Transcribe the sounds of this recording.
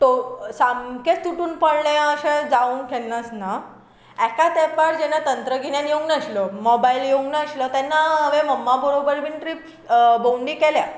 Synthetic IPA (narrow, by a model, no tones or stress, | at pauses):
t̪osamkẽt͡suʈuːnpəɽɳɛ̃aəɕẽd͡zauːnkʰɛlnəsna | ɛkat̪ɛpaɾd͡ʑɛnːat̪ənt̪ɾəɡʱinjãnjeũŋnaɕləmɔbailjeũŋɡnːɕlət̪ɛnːaɦəʋeməmːabəɾobəɾbinʈɾip | bowɳɖĩkelja